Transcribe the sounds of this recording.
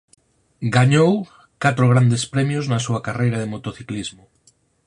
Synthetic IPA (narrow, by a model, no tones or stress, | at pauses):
ɡaɲow | kat̪ɾoɣ̞ɾand̪espɾɛmjʊznɐsuɐkarejɾɐðɪmot̪oθiklizmʊ